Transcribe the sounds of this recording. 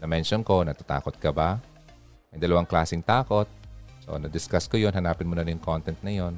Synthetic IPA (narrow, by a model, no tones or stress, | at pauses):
nɐmɛnʃonko̞nɐt̪at̪a̰ːkot̪̚kɐba | mɐjd̪ɐlɐwaŋklaːsɪŋt̪aːko̞t̪̚so̰nɐd̪ɪskaskojonɦɐnaːpɪnmonɐɾɪjʊŋkont̪ɛnt̪̚nɐjo̞n